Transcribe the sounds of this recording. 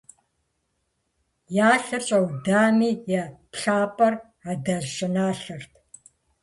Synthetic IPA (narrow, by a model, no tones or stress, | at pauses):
jaːɬɨt͡ʃʼɐwdaːmiːjɛpɬaːpʼɐr | adɐʒʒɪnaːɬɨrtʰ